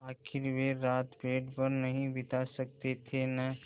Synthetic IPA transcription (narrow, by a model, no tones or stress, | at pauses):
aːkʰɪɾʋeɾaːt̪beːʈpɐɾnɐɦĩbɪt̪asɐk̚t̪et̪ʰena